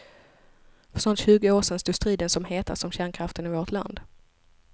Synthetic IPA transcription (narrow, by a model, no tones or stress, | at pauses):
fœʂɔnt̪ɕʉ̟ːɡəoːʂɛnst̪uːst̪ɾiːd̪ənsɔmheːt̪ʰasɔmɕæːɳkʰɾaft̪ənɪvoːʈʰla̰nd̪